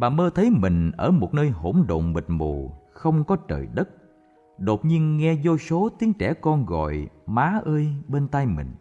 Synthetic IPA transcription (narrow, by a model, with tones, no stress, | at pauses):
ɓa̰ː˨˩məː˧t̪ʰə˨˦jmï˨˩ŋ̟ʔəː˧˩mo˨˩t̚nəː˧jɦo˧˩mɗo̰˧˨ŋ͡mɓi˨˩t̚mo˨˩xə˧wŋ͡mkɔ˨˦t͡ɕə̰ː˨˩jɗə˦˥t̚ | ɗo˨˩t̚ɲi˧ənŋɛ˧zo˧so˨˦t̪i˨˦əŋt͡ɕɛ˧˩kɔ˧nɣɔ̰˧˨jmaː˨˦ʔəː˧jɓe˧nt̪a˧jmï˨˩ŋ̟